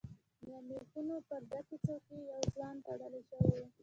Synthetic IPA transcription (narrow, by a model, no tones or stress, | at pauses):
mjɑmek̪unopəɾd̪akit͡sokejawzwɑnt̪aɽəleʃəwewe